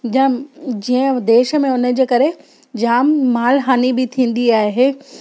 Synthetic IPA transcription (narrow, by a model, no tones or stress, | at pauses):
d͡ʑĩːə̃d̪eːʃə̆mẽʊnə̆d͡ʑeːkɐɾe | d͡ʑaːmːaːlɦaːnibɪt̪ʰĩːn̆d̪iaːɦeː